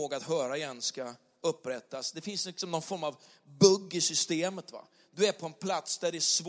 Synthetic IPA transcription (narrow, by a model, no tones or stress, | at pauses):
oːɡaat̪ɦœːɾajɛnska | ɵpːɾɛt̪ːasd̪ɛfɪnslɪksɔmnɔnfɔɾmav | bɵɡːɪsʏst̪eːmət̪va̰ | d̪ɵæɾpʰɔɛnpʰlat̪sd̪æɖɛæʂv